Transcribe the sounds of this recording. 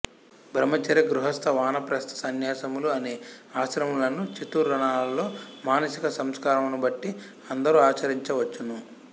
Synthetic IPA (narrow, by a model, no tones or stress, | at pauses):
bʱɾɐmɐt͡ʃɐɾɐɡɾuɦɐst̪ʰɐʋaːnɐpɾɐst̪ʰɐ̥sɐnjaːsɐmuluɐneːaːsɾɐmulɐnut͡ʃit̪uːɾːɐɳaːlɐlo̞ːmaːnɐsikɐsɐmskaːɾɐmunubɐʈːi | ɐnd̪ɐɾuaːt͡ʃɐɾiɲt͡ʃɐʋɐt͡ʃːunu